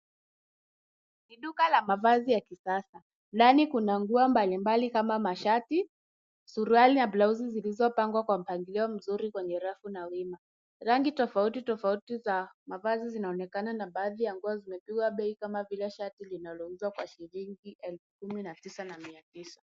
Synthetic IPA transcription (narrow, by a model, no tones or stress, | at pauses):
niɗukalamavazijakisasa | nanikunaŋɡuambalimbalikamamaʃati | suɾualinablauzizilizɔpaŋɡwakwam̩paŋɡiliɔm̩zuɾikwɛɲɛɾafunawima | ɾaŋɡitɔfautitɔfautizamavazizinaɔnɛkananaɓaːðijaŋɡuazimɛpiɠwaɓɛikamavilɛʃatilinalɔuzwakwaʃiliŋɡiʔɛlfu̥kuminatisanamiatisḁ